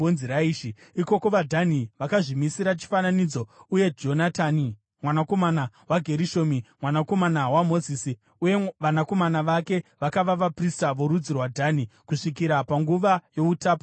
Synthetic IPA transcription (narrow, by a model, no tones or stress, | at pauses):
onziɾaiːʃiiko̞ko̞ʋadʱaniʋakaʐimisiɾat͡ʃi̥fananid͡zo̞uje̞d͡ʒo̞natani | mwanako̞mana | waɡʱe̞ɾiʃo̞ːmimwanako̞manawamo̞ziːsi | uje̞ʋanako̞manaʋake̞ʋakaʋaʋapristaʋo̞ɾud͡zirwadʱanikuʂik̬iɾapaŋɡuʋajo̞utaːpo̥